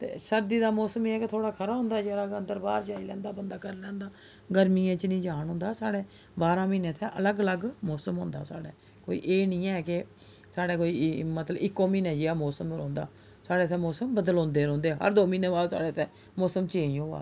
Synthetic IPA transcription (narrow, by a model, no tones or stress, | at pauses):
t̪ḛːsəɾd̪iːd̪aːmɔːsəmeːɛːket̪ʰoːɽaːkʰəɾaːɦʊ̃ːnd̪aːd͡ʒeɾaːənd̪əɾbaːd̪d͡ʒaːilɛ̃ːnd̪aːbənd̪aːkəɾlɛ̃ːnd̪aː | ɡəɾmiːãːt͡ʃnĩːd͡ʒaːnɦʊ̃nd̪aːsaːɽeː | baːɾãːmiːnẽːt̪ʰɛ̃ːʔələɡələɡmɔːsəmɦʊ̰̃ːnd̪a̰ːsa̰ːɽeː | ko̰ːḭːʔeːnĩːɛːkɪ | saːɽeːkoːiːmət̪ləbɪkːõːmiːneːd͡ʒeːaːmɔːsəmɾɔ̃ːnd̪a̰ː | saːɽeːt̪ʰɛ̃ːmɔːsəmbəd̪əlɔ̃ːnd̪eːɾɔ̃ːnd̪eːɦə̰ɾd̪oːmiːneːbaːlsa̰ːɽeːt̪ʰɛ̃ː | mɔːsəmt͡ʃeːĩːɦoːa̰ː